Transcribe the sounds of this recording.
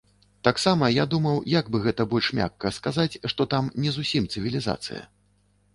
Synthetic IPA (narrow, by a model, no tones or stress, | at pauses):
t̪aksamɐjad̪umɐwjaɡbɨɣɛt̪ɐbɔlʲʂmʲa̰kːɐskazat͡sʲʂt̪ɔt̪amnʲɛzusʲimt̪sɨvʲilʲiza̰t̪sɨ̰jɐ̰